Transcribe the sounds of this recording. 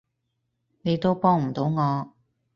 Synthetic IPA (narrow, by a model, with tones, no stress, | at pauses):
ne˨˧jt̪o˥wpɔː˥ŋm̩˨˩t̪o˨˧˥wŋɔː˨˧